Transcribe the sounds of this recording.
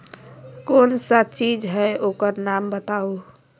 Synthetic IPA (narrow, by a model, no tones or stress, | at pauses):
konsat͡ʃid͡ʒɦɛeʔokəɾnambət̪au